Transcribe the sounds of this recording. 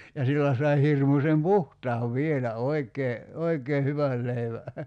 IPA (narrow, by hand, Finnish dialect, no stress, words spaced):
jɑ silːæ sɑi hirmusem puhtɑːʋ ʋielæ oikˑeː oikeː hyʋæl leiʋæ